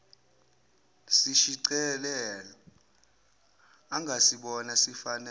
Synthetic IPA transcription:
siʃiǀɛlɛlɔ | aŋɡʱasiɓɔnasifanɛ

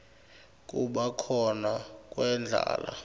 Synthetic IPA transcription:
k̬ʼuɓakʰɔnak̬ʼwɛnd͡ɮʱa̰ːla

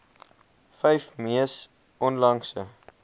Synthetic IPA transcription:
fɛjfmiəs | ʔɔnlɐŋsə

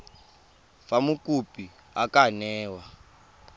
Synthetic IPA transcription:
famukupi | akanɛːwa

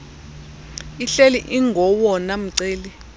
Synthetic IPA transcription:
iɬeliʔiŋɡʱɔwɔnam̩ǀeːli

